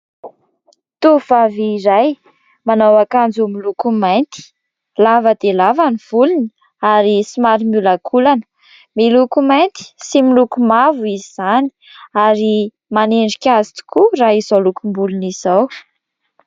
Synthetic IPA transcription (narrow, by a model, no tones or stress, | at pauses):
t̪uv̥aviːɾaj | manawakand͡zumilukumajnt̪i̥ | lavəd̪̥elavaniv̥ulini | aɾisimaɾimulakʰulanə̥ | milukumajnt̪i̥similukumavuizizani̥ | aɾi | maneɳɖ͡ʐikʲazi̥t̪u̥kuraizolukumbuluniz̥aw